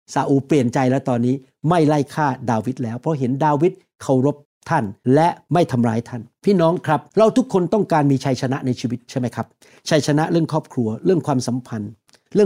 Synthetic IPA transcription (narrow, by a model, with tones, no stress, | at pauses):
saː˨˦ʔuː˧pli˨˩ənt͡ɕa˧jlɛː˦˥wt̪ɔː˧nːiː˦˥ | ma˥˩jla˥˩jkʰaː˥˩daː˧wi˦˥t̪̚lɛː˦˥wpʰɾɔ˦˥ɦe˩˦ndaː˧wi˦˥t̪̚ | kʰa˧˩wɾo˦˥p̚t̪ʰa˥˩nlɛ˦˥ma˥˩jt̪ʰa˧mɾaː˧˥jt̪ʰa˥˩npʰiː˥˩nɔː˦˥ŋkʰɾa˦˥p̚ɾa˧wt̪ʰu˦˥kʰːo˧nt̪ɔ˥˩ŋkaː˧nmiː˧t͡ɕʰa˧˥jt͡ɕʰa˧na˦˥ʔna˧jt͡ɕʰiː˧wi˦˥t̪̚t͡ɕʰa˥˩jma˦˥jkʰɾa˦˥p̚ | t͡ɕʰa˧jt͡ɕʰa˧na˦˥ʔɾɯ˥˩əŋkʰɔː˥˩p̚kʰɾu˧ɐɾɯ˥˩əŋkʰwaː˧msa˨˩˦mpʰa˧n | ɾɯ˥˩əŋ